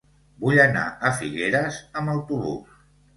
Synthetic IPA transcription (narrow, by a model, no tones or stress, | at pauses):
buʎəna̰əfiɣeɾəzəmbəlˠt̪uβṵs